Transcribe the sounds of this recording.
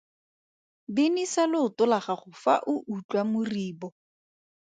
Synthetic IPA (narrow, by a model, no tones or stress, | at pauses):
bɪnisalɪʊtʊlaχaχʊfa̰ʔʊʔut͡ɬʼwamʊriːbɔ